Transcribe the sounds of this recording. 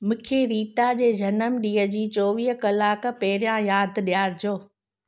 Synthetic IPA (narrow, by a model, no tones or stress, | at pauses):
mʊ̃kʰeɾiːʈad͡ʑeːd͡ʑɐnəmɗiːəd͡ʑiːt͡ɕoːʋiːɦkɐlaːkpɐɦɪɾijãjaːd̪ɗijaːɾd͡ʑoː